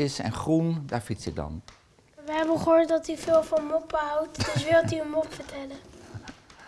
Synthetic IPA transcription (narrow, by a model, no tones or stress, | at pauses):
ɪsɛ̰nχrundaːɹfitsɪk̚dɑ̰n | ʋəɦɛbənχəɦoːɹtdɑtyvɪːlˠvɑnmopəɦɑwtd̥ɵsʋɪlˠtyəmɔpfəɹtʰɛlə